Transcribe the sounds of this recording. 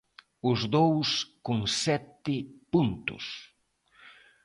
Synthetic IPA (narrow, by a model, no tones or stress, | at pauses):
ʊzd̪owskʊŋsɛt̪ɪpunt̪ʊ̰s